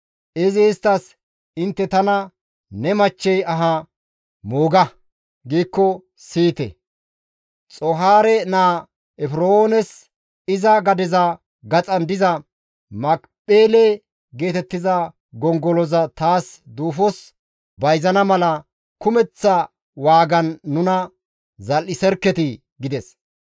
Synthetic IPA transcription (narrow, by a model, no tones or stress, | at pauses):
ʔɛzeːst̪ːɐs | ɪnt̪ːɛt̪ɐnɐ | nɛmɐt͡ʃːɛjɐɦɐ | moːɡɐ | ɡiːkːɔ | siːt̪ɛ̰ | t͡sʼɔɦaːɾɛnaː | ɛfɾooːnɛs | ɪzɐɡɐd̪ɪzɐ | ɡɐt͡sʼɐnd̪ɪzɐ | mɐk | pʼeːlɛ | ɡe̞ːt̪ɛt̪ːɪzɐ | ɡɔŋɡɔlɔzɐt̪aːsd̪uːfɔs | bɐjzɐnɐmɐlɐ | kʊmɛt͡sːɐ | waːɡɐnːʊnɐ | zɐlɪsɛɾkːɛt̪ɪ | ɡɪd̪ɛs